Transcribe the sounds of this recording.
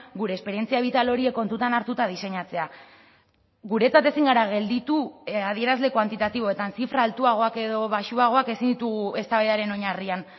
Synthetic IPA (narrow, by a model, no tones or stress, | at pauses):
ɡuɾe̞ːspe̞ɾie̞nt͡siaβ̞it̪alo̞ɾie̞kːo̞nt̪ut̪anaɾt̪ut̪að̞ise̞ɲat͡se̞a | ɣuɾe̞t͡sat̪e̞siŋɡaɾaɣ̞e̞ld̪it̪uað̞ie̞ɾazle̞kwant̪it̪at̪iβ̞o̞e̞t̪ansifɾaːlt̪uaɣ̞o̞ake̞ðo̞βaʃuaɣ̞o̞ake̞sind̪it̪uɣue̞st̪aβeðaɾe̞no̞ɲarian